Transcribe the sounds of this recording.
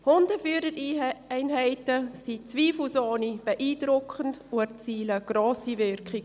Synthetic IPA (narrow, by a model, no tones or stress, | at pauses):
hʊndəfyːɾəɾɛɪnɦɛɪtəsit͡sviːflsoːnib̥ɛʔiːdɾʊkχənduɛɾt͡siːləɡ̥roːsivɪrkχɪ